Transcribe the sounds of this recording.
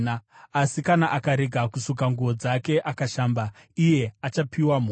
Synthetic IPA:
aasikanaʔakaɾe̞ɡʱakusok̬aŋɡuʋod͡zake̞ʔakaʃaːmba | ije̞at͡ʃapiwam̤o

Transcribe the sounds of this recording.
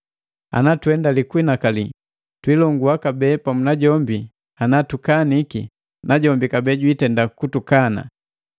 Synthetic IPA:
a̰natuɛndalikwinakali | twilɔŋɡuakabɛːpamunaɟɔmbi | anatukaniki | naɟɔmbikabɛɟwitɛndakutukana̰

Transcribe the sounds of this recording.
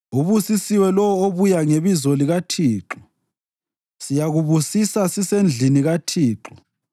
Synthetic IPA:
uβusisiwɛlɔwɔoβujaŋeβizɔliɣatʰiːǁɔ | sijaɣuβusisasisend͡ɮʱiniɣatʰiːǁɔ

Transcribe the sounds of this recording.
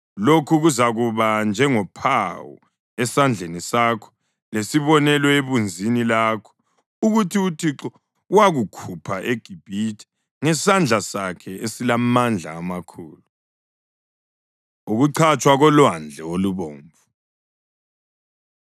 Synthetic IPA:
lokʰuɣuzaɣuβand͡ʒʱɛŋɔpʰawɔ̰ | ɛsand͡ɮʱenisakʰɔ̥ | lesiβɔnɛlɔeβund͡zʱinilakʰɔ̥ | uɣutʰiutʰiǁɔ | waɣukʰupʰaʔeɡ̥ʱib̥ʱitʰi̥ | ŋɛsand͡ɮʱasakʰɛesilamand͡ɮʱa̰ːmakʰṵːlu | uɣuǀʰat͡ʃʼwaɣɔlwand͡ɮʱɛoluβoːɱvu

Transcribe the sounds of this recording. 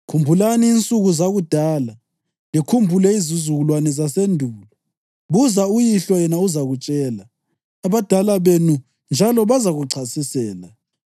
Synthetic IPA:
kʰumbʱulaniːnt͡sʼuɣuzaɣud̥ʱaːla | likʰumbʱulɛizizuɣulwanɛzasendʱuːlɔ | βuzaujiɬɔjɛnauzaɣut͡ʃʼɛːlaː | βad̥ʱalaβenu | nd͡ʒʱalɔβazaɣuǀʰasisɛːla

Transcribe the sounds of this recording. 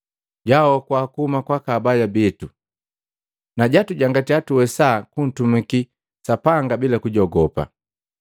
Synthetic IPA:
ɟawɔkwakuhumakwakabajabitu | naɟatuɟaŋɡatiatuwɛsakun̩tumiki | sapaŋɡabilakuɟɔɡɔpa̰

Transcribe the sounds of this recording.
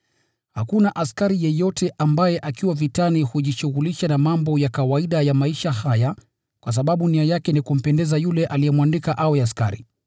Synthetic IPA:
hakunaʔaskaɾijɛjɔtʰɛʔambajɛʔakiwavitanihuʄiʃuɣuliʃanamambɔjakawaiɗajamaiʃahaja | kwas̬aɓaɓuniajakɛnikum̩pɛndɛzajulɛʔalijɛmwandikaʔawɛaska̰ɾḭ

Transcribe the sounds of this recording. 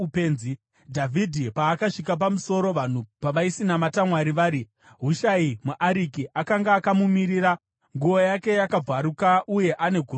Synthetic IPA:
peːnzi | dʱavʱidʱipaːkaʂik̬ap̬amuso̞ɾo̞ʋan̤upaʋaisinamatamwaɾiʋaːɾi | ɦuʃaimuʔaɾikiʔakaŋɡaːkamumiɾiɾa | ŋɡuo̞jake̞jakab͡vaɾukaʔuje̞ʔane̞ɡʱu

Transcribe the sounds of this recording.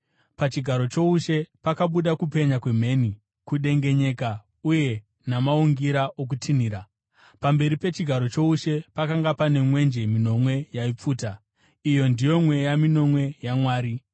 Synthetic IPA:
pat͡ʃiɡʱaɾo̞t͡ʃo̞uʃe̞pakaɓuɗakupe̞ɲakwe̞me̞ni | kuɗe̞ŋɡe̞ɲe̞ka | uje̞ | namauŋɡiɾaʔok̬utʰin̤iːɾa | pambe̞ɾipe̞t͡ʃiɡʱaɾo̞t͡ʃo̞uʃe̞pakaŋɡapane̞mwe̞nd͡ʒe̞mino̞mwe̞jaip͡fuːta | ijo̞ndijo̞mwe̞jamino̞mwe̞jamwaːɾi

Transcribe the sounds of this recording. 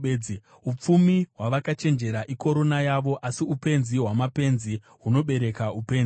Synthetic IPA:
i | up͡fumiɦwaʋakat͡ʃe̞nd͡ʒe̞ɾaʔiko̞ɾo̞najaʋo̞ʔasiupe̞nziɦwamape̞nzi | ɦuno̞ɓe̞ɾe̞kaupe̞ːn

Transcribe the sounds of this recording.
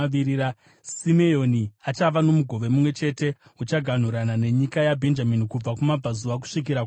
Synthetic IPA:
iɾia | simejo̞niat͡ʃaʋano̞muɡʱo̞ʋe̞mumwe̞t͡ʃe̞te̞ut͡ʃaɡʱan̤uɾanane̞ɲikajabʱe̞nd͡ʒaminikub͡vakumab͡vazuʋak̬u̥ʂik̬iɾa

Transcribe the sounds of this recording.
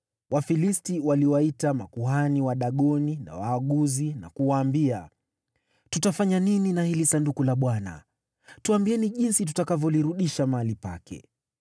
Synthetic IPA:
wafilistiwaliwaitamakuɦaniwaɗaɠɔnina̰waːɠuzina̰kuwaːmbia | tutafaɲanininahilisandukulaɓwana̰ | tuambiɛniʄinsit̬utakavjɔliɾuɗiʃamaalipa̰kɛ̰

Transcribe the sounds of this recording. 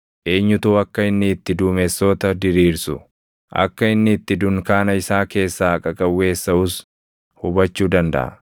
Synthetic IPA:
ʔe̞ːɲːʊt̪uːɐkːɐɪnːɪːt̪ːɪd̪uːmesːoːt̪ɐd̪ɪɾiːɾsʊ | ʔɐ̰kːɐɪnːɪːt̪ːɪd̪ʊŋkaːnɐɪsaːke̞ːsːaːkʼɐkʼɐwːe̞ːsːɐʊs | hʊbɐt͡ʃːuːd̪ɐnd̪ɐ̰ʔɐ̰

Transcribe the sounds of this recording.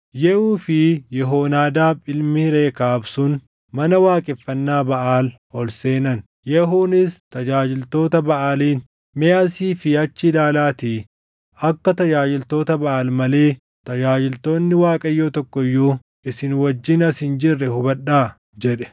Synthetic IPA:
jɛʔuːfɪjɛɦoːnaːd̪aːbɪlmɪɾeːkaːbsʊn | mɐnɐwaːkʼɛfːɐnːaːbɐʔaːl | hɔlse̞ːnɐn | jɛɦuːnɪst̪ɐd͡ʒaːd͡ʒɪlt̪o̞ːt̪ɐbɐʔaːliːn | mɛasiːfɪhɐt͡ʃːɪlaːlaːt̪i | ɐkːɐt̪ɐd͡ʒaːd͡ʒɪlt̪o̞ːt̪ɐbɐʔaːlmɐle̞ː | t̪ɐd͡ʒaːd͡ʒɪlt̪o̞ːnːɪwaːkʼɐjːoːt̪ɔkːɔjːuː | ɪsɪnwɐd͡ʒːɪnɐsɪnd͡ʒɪrːɛhʊbɐɗːaː | d͡ʒɛᶑɛ̥

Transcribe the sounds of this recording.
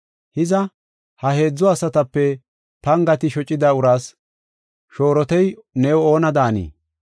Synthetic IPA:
hɪzɐ | hɐhe̞ːd͡zːɔɐsɐt̪ɐpːɛ | pɐŋɡɐt̪ɪʃɔt͡ʃʼːɪd̪ɐʊɾaːs | ʃo̞ːɾɔt̪ɛjnɛjɔo̞ːnɐd̪aːnḭː

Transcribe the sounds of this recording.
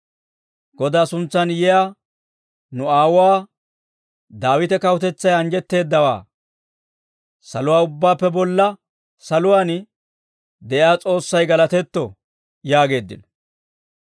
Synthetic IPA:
ɡ̥ɔd̪aːsʊnt͡sːɐnjɛja | nʊaːwʊwaː | d̪aːwɪt̪ɛkɐwʊt̪ɛt͡sːɐjɐŋd͡ʒɛt̪ːe̞ːd̪ːɐwa̰ː | sɐlʊwaːʊbːaːpːɛbɔlːɐ | sɐlʊwaːn | d̪ɛʔjaːt͡sʼo̞ːsːɐjɡɐlɐt̪ɛt̪ːɔ | jaːɡe̞ːd̪ːɪ̰nɔ

